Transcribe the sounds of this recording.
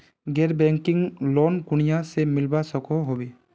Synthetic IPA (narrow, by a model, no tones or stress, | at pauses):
ɡɛɾbɛŋkɪŋloːnkʊɳ̃ijasemɪlbasɔkoɦobe